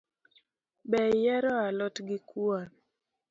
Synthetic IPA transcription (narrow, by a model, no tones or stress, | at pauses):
bɛjɛɾɔalɔtɡɪkuan